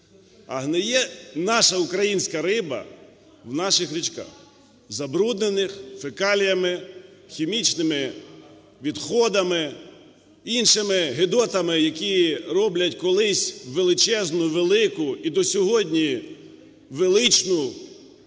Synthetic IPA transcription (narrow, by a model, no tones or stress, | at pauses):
ɐ̰ɦnɪjɛnɑʃɐʊkɾɐjinʲsʲkɐɾɪbɐ̰ | wnɑʃɪxɾʲit͡ʃkɑ̰x | zɐbɾud̪nenɪxfɪkɑlʲjɐmɪxʲimʲit͡ʃnɪmɪ | ʋʲid̪xɔd̪ɐmɪ | inʃɪmɪɦɪd̪ɔt̪ɐmɪjɐkʲiɾɔblʲɐtʲkɔlˠɪsʲʋelˠɪt͡ʃɛznʊʋelˠɪkʊid̪ɔsʲɔɦɔdʲnʲi | ʋelˠɪt͡ʃnʊ